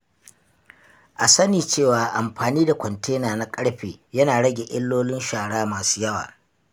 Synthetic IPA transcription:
ʔa˨sɐ˦niː˨t͡ʃeː˦˨waː˨ʔa˨mɸaː˨niː˦da˨kʷɔ˨ntʰeː˦naː˨na˦kʼɐ˦ɽɸeː˨jɐ˦naː˨ɽɐ˦ɡʲe˨ʔɪ˦lːoː˦lɪ˦nʃaː˨ɽaː˦maː˨su̥ː˦jɐ˦wa̰ː˨

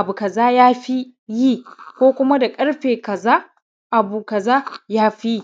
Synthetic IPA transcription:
ʔa˨bu˨kɐ˨zaː˦jaː˦ɸi˦ | ji˦˨kʷoː˦kʷʊ˦ma˦da˨kʼɐ˦ɽɸeː˨kɐ˨zaː˦ | ʔa˨buː˨kɐ˨zaː˦jaː˦ɸi˦

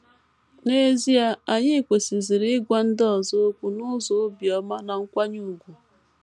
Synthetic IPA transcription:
ne˦zi˦a˦a˨ɲɪ˦˨kʷe˨si˨zi˨ɾɪ˦ɡʷa˦n̩˦dɔ˨zo˦kʷu˨nʊ˦zo˨˦bi˨ɔ˨ma˦na˨ŋ̩˦kʷa˦ɲu˦˨ɡʷu˨

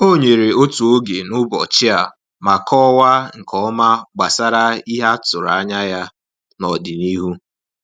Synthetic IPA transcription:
o˦˨ɲe˨ɾe˨o˦tu˨o˦ɡe˨nʊ˦bɔ̰˨t͡ʃɪ˦a˨ | ma˨kʰɔ˦wa˦ŋ̩˨kʰɔ˦ma˦ɡ͡ba˨sa˦ɾa˦i˦ɦa˦tʊ˨ɾa˨a˦ɲa˦ja˦ | nɔ˨dɪ˨ni˦ɦu˦

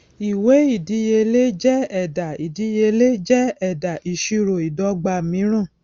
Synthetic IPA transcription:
i˨we˨˦i˦˨di˨˦je˧le˦d͡ʒɛ˦ɛ˦˨da˨i˨di˨˦je˧le˦d͡ʒɛ˦ɛ˦˨da˨i˨ʃi˧ɾo˨i˨dɔ˧˦ɡ͡ba˧˨mĩ˨˦ɾ̃ũ˦˨

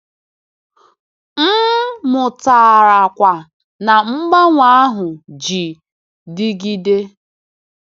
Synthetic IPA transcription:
m̩˦mʊ˨ta˨ɾa˨kʷa˨ | na˨ŋ͡m̩˦ɡ͡ba˦ŋʷa˦a˦ɦʊ˨d͡ʒi˨ | dɪ˦ɡi˦de˦

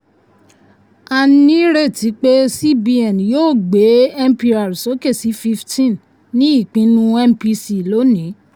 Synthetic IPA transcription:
a˦˧nĩ˦ɾe˦˨ti˨˦k͡pe˦si˦bi˧ɛ˨n˨joː˦˨ɡ͡be˨˦ɛ˦m̩˦pi˧ɾa˨ɾu˨so˨˦ke˦˨si˨˦fi˧ftĩ˦˨n | nĩ˦i˦˨k͡pĩ˨˧nũ˦ɛ˦mpi˧si˨lo˨˦nĩ˨˦

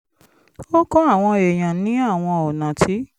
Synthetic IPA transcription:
o˦kɔ̃˦a˦˨w̃ɔ̃˧e˨j̃ã˨nĩ˨˦a˦˨w̃ɔ̃˧ɔ˨nã˨tʰi˦

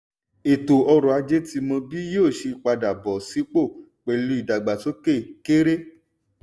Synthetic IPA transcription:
e˨to˨ɔ˧ɾɔ˨a˧d͡ʒe˦ti˧mɔ̃˧bi˦jo˦˨ʃi˧˦k͡pa˧da˨bɔ˨si˨˦k͡po˦˨ | k͡pɛ˨lu˧˦i˨da˨ɡ͡ba˨to˦ke˦˨ke˦ɾe˦

